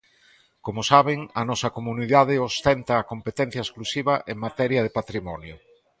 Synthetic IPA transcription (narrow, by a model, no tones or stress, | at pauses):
komʊsaβɪŋɐnɔsɐkomuniðaðɪost̪ɛnt̪ɐːkompet̪ɛn̟θjaɐesklusiβɐʔeŋmat̪ɛɾjɐðepat̪ɾimɔnjʊ̰